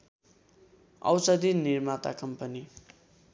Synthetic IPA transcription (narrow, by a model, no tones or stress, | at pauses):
ʌ̰wsʌd̪iniɾmat̪a̰kʌmpʌni